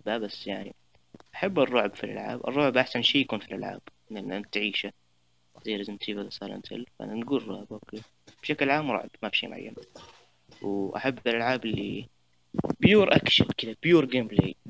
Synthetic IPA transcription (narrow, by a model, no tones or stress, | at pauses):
babasːjaʕnḭ | ʔaħabːɨrˤːʊʕbfilʔa̰lʕa̰ːbʔɨ̰rˤːʊʕbʔaħsanʃiːjakuːnfilʔalʕa̰ːb̥ɪnɪmnʔant̪ʕiːʃa | ziːɾʔɪzɪmt̪iːbaðasˤɑːlʔa̰nt̪ʰɪ̰lfaʔa̰nanɡuːlrˤːʊʕbʔoːkeː | b̥ʃaklʕaːmɾˤɑ̰ʕbmafiːʃḭːmʊ̰ʕa̰jːa̰n | wʔaħabːɪlʔalʕaːbɪlːi | bjuːɾʔakʃa̰lkɪd̪ab̥juːɾɡeːmblḛj